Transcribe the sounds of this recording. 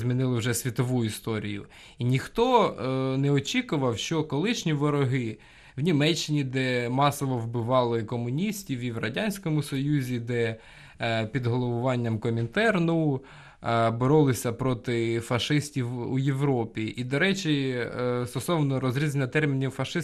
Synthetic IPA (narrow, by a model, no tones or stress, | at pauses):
zmʲinɪlˠɪwʒɛsʲʋʲit̪ɔʋuist̪ɔɾʲijʊ̰ | inʲixt̪ɔnɛɔt͡ʃʲikʊʋɐwʃt͡ʃɔkɔlˠɪʃnʲiʋɔɾɔɦɪ | wnʲimɛt͡ʃːɪnʲid̪ɛmɑsɔʋɔwbɪʋɑlˠɪkɔmʊnʲisʲtʲiwiwrɐdʲanʲsʲkɔmʊsɔjuzʲid̪ɛ | pʲid̪ɦɔlˠɔʋʊʋɑnʲːɐmkɔmʲint̪ɛrnu | bɔɾɔlˠɪsʲɐpɾɔt̪ɪfɐʃɪsʲtʲiwṵjeʋɾɔpʲiʔid̪ɔɾɛt͡ʃist̪ɔsɔʋnɔɾɔzɾʲizenʲːɐt̪ɛrmʲinʲiwfɐʃɪ